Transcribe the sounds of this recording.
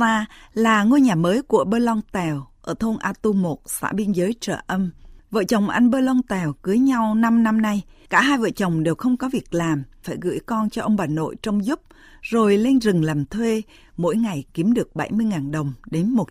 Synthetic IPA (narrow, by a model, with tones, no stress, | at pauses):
aː˧laː˨˩ŋo˧jɲaː˨˩məː˨˦jku˧˩əɓəː˧lɔ˧ŋt̪ɛ˨˩wʔəː˧˩t̪ʰo˧nʔaː˧t̪u˧mo˨˩t̚sa̰ː˧˥ɓi˧ənzəː˨˦jt͡ɕəː˧˩ʔə˧mvə̰˧˨t͡ɕə˨˩wŋ͡mʔa̰˧jŋ̟ɓəː˧lɔ˧ŋt̪ɛ˨˩wkɨ˨˦jɲa˧wna˧mna˧mna˧jkaː˧˩ɦaː˧jvə̰ː˧˨t͡ɕə˨˩wŋ͡mɗe˨˩wxə˧wŋ͡mkɔ˨˦vi˨˩ək̚laː˨˩mfaː˧˩jɣɨ̰˧˥jkɔ˧nt͡ɕɔ˧ʔə˧wŋ͡mɓaː˨˩nːo̰˧˨jt͡ɕɔ˧wŋ͡mzu˦˥p̚ | zo˨˩jle˧nzɨ˨˩ŋlaː˨˩mt̪ʰwe˧ | mo̰˧˥jŋa˨˩jki˨˦mɗɨ˨˩ək̚ɓa˧˩jmɨ˧əjŋaː˨˩nɗə˨˩wŋ͡mɗe˨˦nmo˨˩